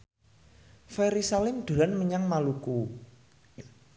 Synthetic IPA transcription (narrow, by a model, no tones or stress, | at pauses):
fɛɾisalɪmɖ̪̥o̤lanməɲaŋmaluku